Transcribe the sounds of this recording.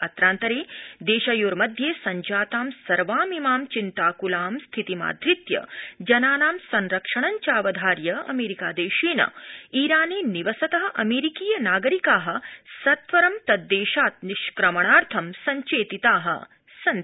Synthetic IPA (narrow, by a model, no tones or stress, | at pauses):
ɐt̪ɾaːnt̪ɐɾeːd̪eːʃɐjoːɾmɐd̪ʱjeːsɐɲd͡ʒaːt̪aːmsɐɾʋaːmimaːmt͡ʃint̪aːkulaːmst̪ʰit̪ima̰ːd̪ʱɾit̪jɐ̰d͡ʒɐnaːnaːmsɐnɾɐkʂɐɳɐɲt͡ʃaːʋɐd̪ʱaːɾjɐɐ̰meːɾikaːd̪eːʃeːnɐ̰iːɾaːneːniʋɐsɐt̪ɐɦɐ̆ʔɐmeːɾikiːjɐnaːɡɐɾikaːɦɐ̆sɐt̪ʋɐɾɐmt̪ɐd̪ːeːʃaːt̪̚niʃkɾɐmɐɳaːɾt̪ʰɐmsɐɲt͡ʃeːt̪it̪aːɦɐ̰ | sɐn